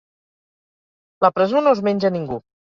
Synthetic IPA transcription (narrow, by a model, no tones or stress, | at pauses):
ləpɾəzonozmeɲʲd͡ʒəniŋɡu